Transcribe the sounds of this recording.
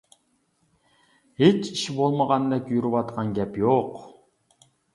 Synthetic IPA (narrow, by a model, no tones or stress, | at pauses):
het͡ʃiʃbolˠməʁɑnd̪ɛkʲjyɾywɑt̪qʰɑnɡʲɛpjoq